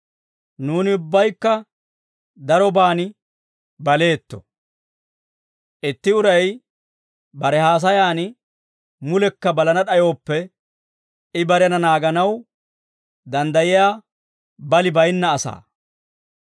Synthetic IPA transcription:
nuːnɪʊbːɐjkːɐ | d̪ɐɾɔbaːnɪ | bɐle̞ːt̪ːɔ̥̰ | ʔɪt̪ːɪʊɾɐj | bɐɾɛhaːs̬ɐjaːnɪ | mʊlɛkːɐbɐlɐnɐɗɐjo̞ːpːɛ | ɪbɐɾɐnɐnaːɡɐnɐw | d̪ɐnd̪ɐjɪjaː | bɐlɪbɐjnːɐːsa̰ː

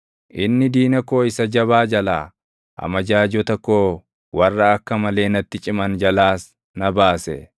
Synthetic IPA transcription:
ʔɪnːɪd̪iːnɐkoːɪsɐd͡ʒɐβaːd͡ʒɐla̰ː | ʔɐ̰mɐd͡ʒaːd͡ʒɔt̪ɐkːoː | wɐrːɐːkːɐmɐle̞ːnɐt̪ːɪt͡ʃʼɪmɐnd͡ʒɐlaːs | nɐbaːsɛ

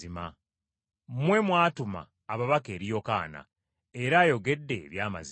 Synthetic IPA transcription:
ima | mwe̞mwaːtuma̰ːβaβake̞ːɾijo̞ka̰ːna̰ | e̞ɾaːjo̞ɡe̞dːe̞βjaːma̰zi

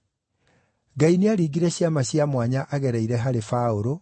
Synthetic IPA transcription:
ɡaineaɾiːɣiɾɛɕjamaɕjamwaɲaʔaɣɛɾaiɾɛɦaɾefaoɾo

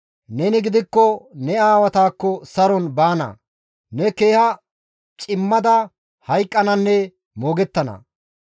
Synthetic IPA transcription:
nɛnɪɡɪd̪ɪkːɔnɛaːwɐt̪aːkːɔsɐɾɔnbaːnɐ̰ | nɛke̞ːhɐ | t͡ʃʼɪmːɐd̪ɐ | hɐjkʼːɐnɐnːɛ | moːɡɛt̪ːɐnɐ̰

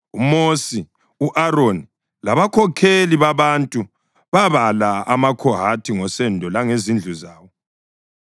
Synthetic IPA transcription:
umosi | uʔaroni | laβakʰɔkʰeliβaβantʼu | βaβalaamakʰɔɦatʰiŋɔsɛndʱɔlaŋezind͡ɮʱuzaːwɔ

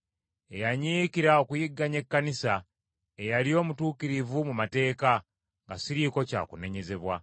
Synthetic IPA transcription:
e̞jaɲiːkiɾaokujiɡːaɲe̞kːanisa | ejalio̞ːmutuːkiɾivumumate̞ːka | ŋɡasiɾiko̞ca̰ːkune̞ɲe̞ze̞βwa

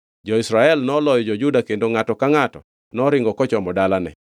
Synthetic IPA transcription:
d͡ʒɔɪsɾaɛlnɔlɔjɔd͡ʒɔd͡ʒudakendoŋatɔkaŋatɔ̰ | nɔɾɪŋɡɔkɔt͡ʃɔmɔdalanɛ̰

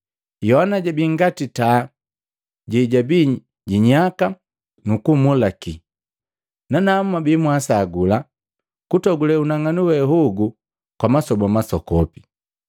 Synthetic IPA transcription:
jɔhanaɟabiŋɡatita | ɟɛɟabi | ɟiɲaka | nukumulaki | nanam̩mabimwasaɡula | kutɔɡulɛunaŋanuwɛɦuɡu | kwamasɔbamasɔkɔpi

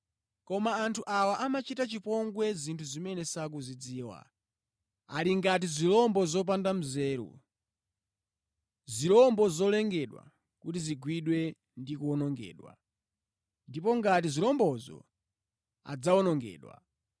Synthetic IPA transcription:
kɔmaːntʰuʔawaʔamat͡ʃitat͡ʃipɔŋɡwɛzintʰuzimɛnɛsak̬uzid͡ziːwa̰ | aliŋɡat̬izilɔmbɔzɔp̬andam̩zɛːɾṵ | zilɔmbɔzɔlɛŋɡɛɗwa̰ | kutiziɡwiɗwɛ | ndikuɔnɔŋɡɛ̰ːɗwa̰ | ndipɔŋɡatizilɔmbɔzɔ̰ | a̰d͡zaɔnɔŋɡɛ̰ːɗwa̰

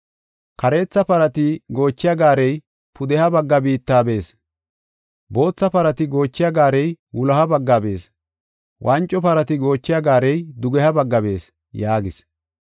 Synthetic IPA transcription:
kɐɾe̞ːt͡sːɐpɐɾɐt̪ɪɡo̞ːt͡ʃːɪjɐɡaːɾɛj | pʊd̪ɛhɐbɐɡːɐbiːt̪ːaːbe̞ːs | bo̞ːt͡sːɐpɐɾɐt̪ɪɡo̞ːt͡ʃːɪjɐɡaːɾɛjwʊlɐhɐbɐɡːabe̞ːs | wʔɐnt͡ʃʼːɔpɐɾɐt̪ɪɡo̞ːt͡ʃːɪjɐɡaːɾɛjd̪ʊɡɛhɐbɐɡːɐbe̞ːs | jaːɡɪs

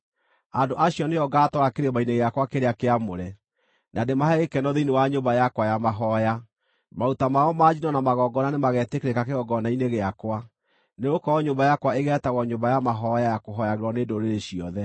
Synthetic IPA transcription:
andoʔaɕjɔneɔɡatɔɾakeɾemaineɣeakwakeɾeakeamoɾɛ | nʔademahɛɣekɛnɔðeinewaɲombajakwajamaɦɔja | mautamaɔmad͡ʑinɔnamaɣɔːɡɔnanemaɣɛtekeɾekakeɣɔɡɔnaineɣeakwa | neɣokɔɔɲombajakwaeɣɛtaɣɔɲombajamaɦɔjajakoɦɔjaɣeɾwɔneːdoɾeɾeɕiɔðɛ

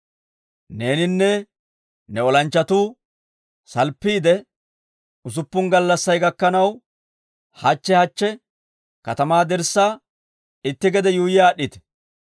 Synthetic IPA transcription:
ne̞ːnɪnːɛ | nɛɔlɐnt͡ʃːɐt̪uː | sɐlpːiːd̪ɛ | ʊs̬ʊpːʊnɡɐlːɐsːɐjɡɐkːɐnɐw | hɐt͡ʃːɛhɐt͡ʃːɛ | kɐt̪ɐmaːd̪ɛɾsːaː | ɪt̪ːɪɡɛd̪ɛjuːjɪaːɗːɪt̪ɛ̥

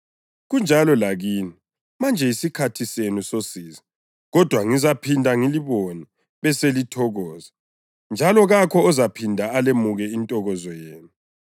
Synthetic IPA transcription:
ɣund͡ʒʱalɔlaɣiːni | mand͡ʒʱɛisikʰatʰisenusosiːza | ɣɔd̥ʱwaŋizapʰindʱaŋiliβoni | βɛselitʰɔɣɔːza | nd͡ʒʱalɔɣakʰɔɔzapʰindʱaːlemuɣɛintʼɔɣɔzɔjeːnu

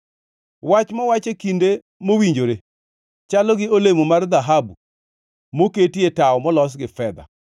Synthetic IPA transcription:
wat͡ʃmawat͡ʃekinde | mowiɲd͡ʒoɾe | t͡ʃalɔɡɪolemomard̪aɦabu | moketietaɔmɔlɔs̬ɡɪfɛd̪a̰

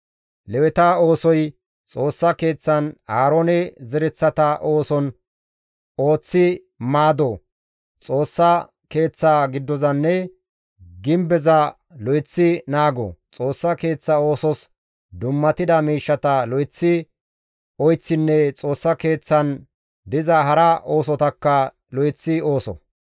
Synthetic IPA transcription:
lɛwɛt̪ɐo̞ːsɔj | t͡sʼo̞ːsːɐke̞ːt͡sːɐnhaːɾonɛzɛɾɛt͡sːɐt̪ɐʔo̞ːsɔn | o̞ːt͡sːɪ | maːd̪ɔ | t͡sʼo̞ːsːɐ | ke̞ːt͡sːaːɡɪd̪ːɔzɐnːɛ | ɡɪmbɛzɐ | lɔjt͡sːɪnaːɡɔ̰t͡sʼo̞ːsːɐke̞ːt͡sːɐo̞ːsɔs | d̪ʊmːɐt̪ɪd̪ɐmiːʃːɐt̪ɐlɔjt͡sːɪ | ɔjt͡sːɪnːɛt͡sʼo̞ːsːɐke̞ːt͡sːɐn | d̪ɪzɐɦɐɾɐʔo̞ːsɔt̪ɐkːɐ | lɔjt͡sːɪoːsɔ̰

